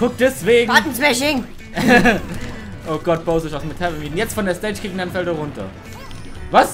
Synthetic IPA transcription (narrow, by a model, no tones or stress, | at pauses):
kʰʊk̚d̥ɛsv̥eːɡv̩aːtn̩smɛʃɪŋ | ʔoːɡ̥ɔt̚b̥aʊsɔɪçaʊsmɪtʰavəmiːtn̩jɛt͡stfɔndeːɐstɛt͡ʃkʰiːkn̩danfɛldɐʁʊntɐ̰ | vas